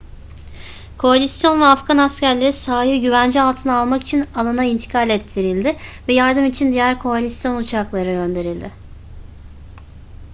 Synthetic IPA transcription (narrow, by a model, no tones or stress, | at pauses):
kʰo̞alʲisjo̞nvɛafɡanascæɾlʲe̞ɾisaːɦiɟyvænd͡ʒialˠt̪ʰɯnaalˠmaki̥t͡ʃʰinalˠanaint̪ʰi̥kʰalʲɛt̪ʰːiɾilʲd̪ɪvɛjaɾd̪ɯmit͡ʃʰind̪ijæɾkʰo̞alʲisjo̞nut͡ʃʰaklˠaɾɯɟø̞nd̪e̞ɾilʲd̪ɪ